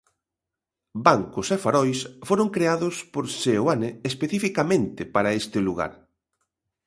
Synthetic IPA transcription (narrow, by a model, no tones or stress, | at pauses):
baŋkʊsefaɾɔjsfoɾʊŋkɾeaðʊspoɾsewaneːspeθifikamẽnt̪ɪpaɾɐest̪ɪluɣa̰ɾ